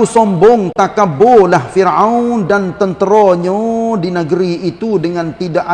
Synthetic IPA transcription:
usɔmbɔŋt̪akabolahfirawndant̪ənt̪əɾɔɲadinəɡəɾiːt̪udəŋant̪idaʔa

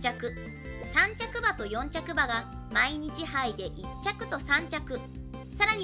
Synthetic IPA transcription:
t͡ɕakɯ̟ | sãɲt͡ɕakɯ̟bat̪o̞jõ̞ɲt͡ɕakɯ̟baɡa | maiɲ̟it͡ɕihaid̪e̞ʔit͡ɕːakɯ̟t̪o̞sãɲ̟t͡ɕakɯ̟ | saɾaɲ̟i

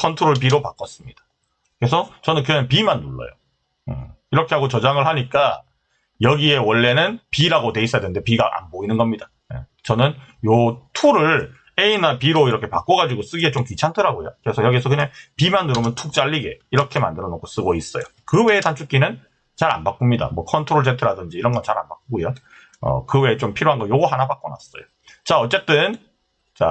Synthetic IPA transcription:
kʰʌntʰoɾoɭp̬iɾopak͈ʌs͈ɯmɲid̥ḁ | kɾe̞sʰʌt͡ɕʌnɯnkɯɲaŋpimanːuɭːʌ̰jo̰ | ɯ̰iɾʌkʰe̞ɦaɡot͡ɕʌd͡ʑaŋɯɭhaɲik͈a | jʌɡie̞wʌɭːe̞nɯnpiɾaɡote̞is͈ʌjadende̞piɡaʔa̰nboinɯnɡʌmɲida | jḛt͡ɕʌnɯnjotʰuɾɯɭ | e̞inapiɾoiɾʌkʰe̞pa̰k͈ʌɡad͡ʑiɡos͈ɯɡiet͡ɕomkɥit͡ɕʰantʰɯɾaɡojokɯɾe̞sʰʌjʌɡiesʰʌkɯɲaŋpimandɯɾomjʌntʰuk̚t͡ɕ͈aʎːiɡe̞iɾʌkʰe̞ma̰ndɯɾʌnokʰos͈ɯɡois͈ʌjo | kɯwe̞ːtant͡ɕʰuk͈inɯn | t͡ɕaɾa̰nbak͈umɲida̰mwʌkʰʌntʰoɾoɭd͡ʑetʰɯɾadɯnd͡ʑiːɾʌnŋɡʌnt͡ɕaɾa̰nbak̚ɡujo | ʌ̰kɯwe̞ːt͡ɕompʰiɾjoɦanɡʌjoɡoɦanabak͈̚ʌna̰s͈ʌ̰jo | t͡ɕaʌt͡ɕ͈e̞t͈ɯn | t͡ɕa̰

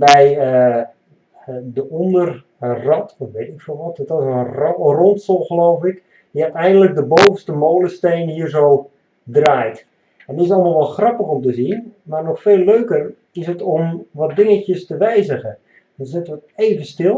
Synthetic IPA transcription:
bɛjə | dəɔndər | rɔtɔtʋeːtɪkfɪlˠʋɔtətɔsənrrɔntsɔlˠxəloːfɪk | diatɛjndələk̚dəboːvəstəmoːləsteːnhiːərzow | draːjt | ɛndɪsɑlˠmalˠʋɔlˠxrɑpəxɔmtəzinmarnɔxfeːlːøːkər | ɪsətomʋɔt̚dɪŋətjəstəʋɛjzəɣə | dɔnsɪtʋəteːvənstɪlˠ

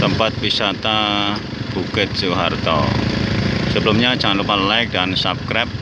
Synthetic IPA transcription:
t̪əmpat̪̚wisat̪a | b̥uɡət̪̚suɦa̰rt̪ɔ̰ | səbəlumɲad͡ʒaŋanlupanlaɪk̚dansap̚kɾɛp̚

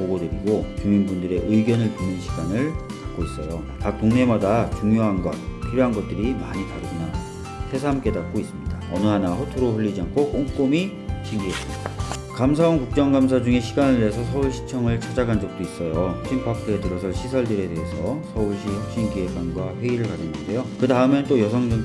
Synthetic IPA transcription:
poɡodɯɾiɡot͡ɕuminbundɯɾe̞ʔɯiɡjʌnɯɭpunɯnɕʰi̥ɡanɯɭtak̚k͈ois͈ʌjo | tak̚t͈oŋne̞madat͡ɕuŋjoɦanɡwa̰t̚pʰiɾjoɦanɡʌt̚t͈ɯɾimaɲitaɾɯɡuna | sʰe̞s̬ʰamk͈e̞dak̚k͈ois͈ɯmɲidaʌnɯɦanaɸotʰoɾoɸuʎːid͡ʑiɦankʰok͈oŋk͈omi | ɕʰiŋɡies͈ɯmɲidaakamsʰawʌnkuk̚t͡ɕ͈ʌŋɡams̬ʰad͡ʑuŋe̞ɕʰiɡanɯɭteɦes̬ʰʌsʰʌuɭɕʰi̥t͡ɕʰʌŋɯɭt͡ɕʰad͡ʑaɡand͡ʑʌk̚t͈ois͈ʌjoɕʰimpʰakʰɯetɯɾʌsʰʌɕʰisʰʌɭdɯɾe̞de̞ɦesʰʌsʰʌuɭɕ͈ʰihʌk̚ɕ͈inkiɦe̞k͈anɡwaɸwe̞iɾɯɭkad͡ʑʌnɡʌnde̞jokɯdaɯme̞nt͈ojʌsʰʌŋd͡ʑɯŋ

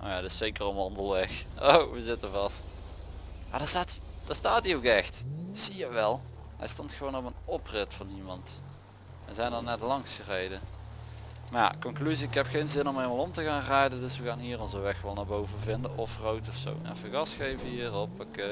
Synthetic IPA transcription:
ʔo̰jatɪsejkərɔmʋɑndəlˠʋɛxowʋəzɪtəvɑst | ma̰ːdaːstaːtid̥aːɹstaːtiowkɛxtsiəʋɛlˠ | ɦɛ̰jstɔntxəʋoːnɔpənɔprɪtfɑnimɑnt | ʋəzɛjndɑnɛtlɑŋsxərejdə | ma̰ːkɔŋklyziɪkɦɛpxejnzɪnɔmelmalˠɔmtəɣaːnraːjdəndɵsʋəɣaːnɦiːrɔnzəʋɛxʋɛlˠnaːbowvənvɪndənʔɔfrowtɔfso̰wɛ̰nfəɣɑsxejvəɦiːrɔpəkː

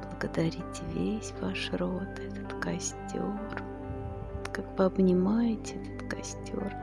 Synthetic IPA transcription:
b̥lˠəɡəd̪ɐɾʲitʲvʲesʲvaʂɾot̪ɛt̪ə̥t̪kɐsʲtʲor | kakbɨɐbnʲɪmajɪtʲɛt̪ə̥t̪kɐsʲtʲo̰r

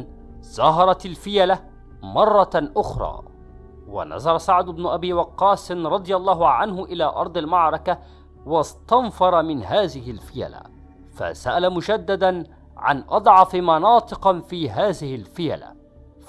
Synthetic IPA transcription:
zɑɦɑɾˤɑt̪alfɪjala | mɑrˤːɑʔʊxɾˤɑ̰ː | wa̰na̰zɑɾˤɑsaʕd̪ʊbnʊʔabiːwɑqːɑːsnɾˤɑd̪ˤɨjɑlˤːɑːɦʊʕanɦʊʔɪlaːʔɑ̰ɾˤd̪ˤɑlmɑʕɾˤɑka | wɑst̪ɑnfɑɾˤɑmɪnɦaːðɪhɪlfɪja̰la̰ | fa̰saʔalamʊd͡ʒad̪ːad̪an | ʕa̰nʔɑd̪ˤʕɑfmɑnɑːt̪ˤɨqɑfiːɦaːðɪhɪlfɪja̰la̰

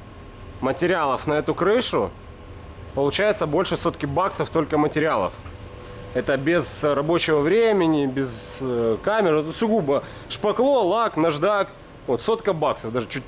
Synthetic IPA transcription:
mətʲɪɾʲɪalˠəfnɐɛt̪ʊkɾɨʂʊ | pəlˠʊt͡ɕæjɪt̪səbo̞lʲʂɨso̞t̪kʲɪbaksəft̪o̞lʲkəmətʲɪɾʲɪalˠə̰f | ɛt̪əbʲɪzrɐbo̞t͡ɕɪvəvɾʲemʲɪnʲɪbʲɪzkamʲɪrsʊɡubə | ʂpɐklˠo̞lˠaknɐʐd̪ak | vot̪so̞t̪kəbaksəvd̪aʐɨt͡ɕut̚ʲ

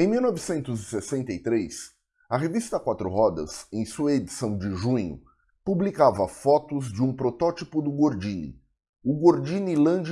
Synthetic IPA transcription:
ẽj̃miwnɔvɪsẽnt̪ʊzɪsesẽnt̪ɐit̪ɾes | ɐɦevist̪ɐkwat̪ɾʊ̰ɦɔd̪ɐ̰sẽj̃suɐed͡ʒisɐ̃w̃d͡ʒɪʒũɲʊ̰ | publikavɐfɔt̪ʊzd͡ʒɪũpɾot̪ɔt͡ʃipʊd̪ʊɡoɾd͡ʒĩnḭ | ʊɡoɾd͡ʒĩnilɐ̃d͡ʒ

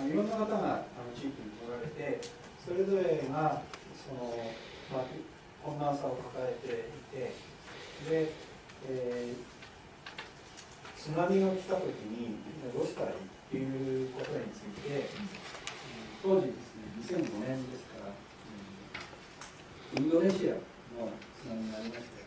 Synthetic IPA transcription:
niɾo̞nːokat̪aŋaano̞t͡ɕiːkʲiɲimoɾaɾe̞t̪e̞ | so̞ɾe̞zo̞ɾe̞ɡa | so̞no̞ | ma | kõ̞nd̪ãɰ̃sao̞kak̪ae̞t̪e̞it̪e̞ | d̪e̞ː | t͡sɨnamʲio̞kʲi̥t̪at̪o̞kʲiɲ̟iɾo̞skait̪ːejɯ̟ko̞t̪o̞ɲ̟it͡sɨit̪e̞ | t̪o̞ːʑid̪e̞sɨne̞ɲ̟isẽ̞ŋɡo̞nẽ̞nd̪e̞sɨ̥kaɾa | ɯ | ĩnd̪o̞ne̞ɕia̰ | no̞t͡sɨnamʲiɲaɾʲimaɕt̪a

